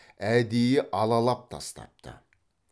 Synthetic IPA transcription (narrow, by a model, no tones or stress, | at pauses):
æd̪ejɪʔɑlˠɑlˠɑp̚t̪ʰɑ̰st̪ɑ̰p̚t̪ə̰